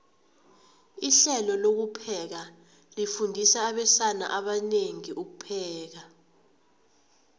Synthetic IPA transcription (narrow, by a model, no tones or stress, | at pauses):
iɬɛlɔlok̬upʰɛk̬a | lifundʱisaːɓɛsana̰ʔaɓaneŋiʔuk̬upʰɛːk̬a